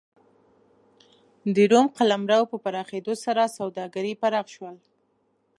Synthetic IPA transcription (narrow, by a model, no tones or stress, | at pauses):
d̪əɾumqalamɾawpəpaɾɑxed̪osaɾasawd̪ɑɡaɾipaɾɑxʃwəl